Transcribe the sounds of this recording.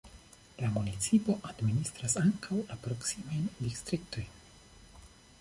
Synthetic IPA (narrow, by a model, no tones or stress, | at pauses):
lamunit͡sipo̞ʔad̪minist̪ɾasaŋkʰawlapɾo̞ksimajndist̪ɾik̚t̪o̞jn